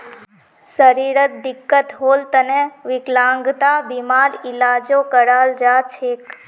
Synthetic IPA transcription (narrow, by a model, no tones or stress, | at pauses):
səɾiɾət̪̚d̪ɪkːət̪ɦoːlt̪əneʋɪklãŋɡt̪abimaɾɪlad͡ʒokəɽald͡ʒat͡ʃʰek